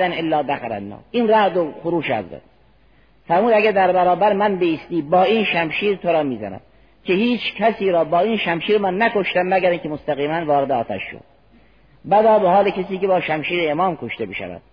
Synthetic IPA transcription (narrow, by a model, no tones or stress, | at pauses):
ænelːɒːd̪æxæɾæ̰nːɑ̰ːʔiːnɾæʔd̪oxoɾuːʃæ̰zd̪æ̰d̪ | fæɾmuːd̪æɡæd̪æɾbæɾɒːbæɾmænbeiːst̪iːbɒːiːnʃæmʃiːɾt̪ʰoɾɒːmiːzæ̰næ̰m | kʲʰehiːt͡ʃʰkʰæsiːɾɒːbɒːiːnʃæmʃiːɾmænːækoʃt̪æmːæɡæɾiːŋcʰemost̪æɣiːmænvɒːɾed̪eɒːt̪ʰæ̰ʃːo̰d̪̥̚ | bæd̪ɒːbehɒːlecʰes̬iːkebɒːʃæmʃiːɾeemɒːmkʰoʃt̪ebiʃæ̰væ̰d̪̥